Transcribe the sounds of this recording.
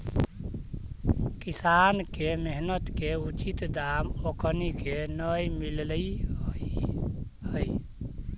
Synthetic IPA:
kisankemeɦnət̪keut͡ʃit̪d̪amokʰnikenəjmilli | həj

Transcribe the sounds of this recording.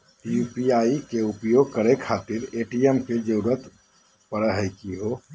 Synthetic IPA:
jupiaːikeʊpjoɡ̚kəɾekʰaːt̪ɪɾeːʈiemked͡ʒʊɾət̪ | pəɽəɦəkiɦo

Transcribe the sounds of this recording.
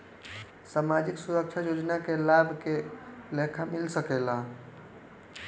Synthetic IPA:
samad͡ʒiksuɾək̚t͡ʃʰajod͡ʒnakelabʱkelekʰamilsəkela

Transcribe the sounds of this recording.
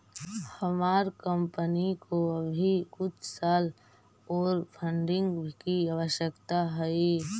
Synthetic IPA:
həmaːɾkəmpənikoəbʱikʊt͡ʃʰsaːl | ɔːɾpʰə̃ɳɖɪ̃ŋɡbʱkiaʋəʃjəkt̪aɦɛi

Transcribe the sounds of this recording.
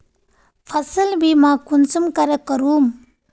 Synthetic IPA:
pʰɐsəlbimakunsumkaɾekəɾum

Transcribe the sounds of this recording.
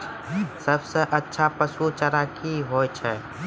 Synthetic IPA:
səbseʔətːʃʰapəsut͡ʃəɾaːkiɦoːjt͡ʃʰɛ

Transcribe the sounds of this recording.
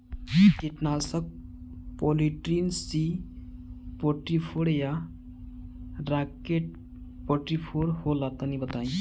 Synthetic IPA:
kɪʈnaːsək̚ | pɔːliʈɾinsi | pɔʈɾipʰoɽeja | ɾaːkeʈ̚ | pɔʈɾipʰoɾholaːt̪anibət̪aːĩ

